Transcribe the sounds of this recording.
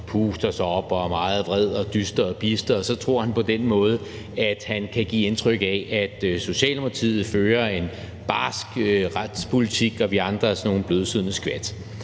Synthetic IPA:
pʰuːsd̥ɐsɑɒ̽b̥ɒmɑ̈ːð̞̩ˠʋʁɛð̞̰ˠɒ̽d̥ysd̥ɐɒpʰisd̥ɐɒ̽sɒ̽t͡sʰʁo̝ɐ̰hænpʰɒ̽d̥enmɔ̽ːð̞̩ˠə | æd̥hænkʰæɡ̥ḭːe̝nt͡sʰʁœɡ̥ɛʔæd̥so̝ɕɛ̰ːlmt͡sʰið̩ˠføːɐe̝n | b̥ɑ̈ːsɡ̥ʁad̥spʰo̝lit͡sʰiɡ̥ɒ̽ʋiɑ̈nd̥ʁɐsno̝ːn̩b̥løð̞ˠsyð̰ˠnəsɡ̥ʋæd̥

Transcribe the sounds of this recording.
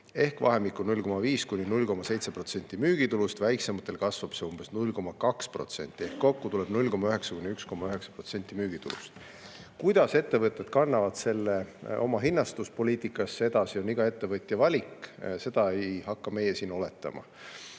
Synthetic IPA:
e̞hkvɑ̰ɦe̞mikːˑunulʲko̞mɑviːskunʲinulʲko̞mɑse̞jt̪se̞pro̞t̪se̞nt̪ːˑimyːɡ̥it̪ulust̪væjkse̞mɑt̪ˑːe̞lkɑsvɑb̥seumb̥e̞snulʲːko̞mɑkɑkspro̞̰t̪se̞̰nʲt̪ːˑie̞hkːo̞kːut̪ule̞b̥nulʲko̞mɑyɦe̞ksɑkunʲːiyksko̞mɑyɦe̞ksɑ̥pro̞t̪se̞nʲt̪ʲːˑimyːɡ̥it̪ulṵst̪ | kujd̪̥ɑse̞t̪ːe̞vɤt̪ːˑe̞d̪̥kɑnːɑvɑd̪̥se̞lːeʔo̞̰mɑɦinːɑst̪uspo̞lʲiːt̪ːˑikːˑɑsːee̞d̪̥ɑsio̞niɡ̥ɑe̞t̪ːe̞vɤt̪ˑjɑvɑlʲikse̞d̪̥ɑejhɑkːɑme̞jesiːno̞le̞t̪ːˑɑ̰mɑ̰

